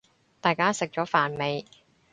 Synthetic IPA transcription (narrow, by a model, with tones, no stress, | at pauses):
t̪aː˨˩jkaː˥sɪ˨k̚t͡ʃɔː˨˥faː˨˩nme˨˧j